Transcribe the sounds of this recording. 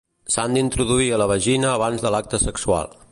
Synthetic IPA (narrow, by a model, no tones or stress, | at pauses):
sand̪int̪ɾuðuiələβ̞əʒinəːβ̞anzðəlak̚t̪əsəksua̰lˠ